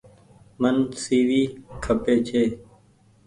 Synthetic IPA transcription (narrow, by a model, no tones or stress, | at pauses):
mənsiːʋiːkʰəpeːt͡ʃʰeː